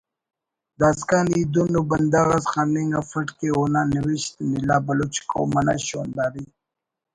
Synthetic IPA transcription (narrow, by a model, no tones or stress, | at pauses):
d̪aːskanid̪unuband̪aɣasxaniŋafəʈkeonaniwiʃt̪milabalot͡ʃi̥ko̰wmana̰ɕonb̪aɾi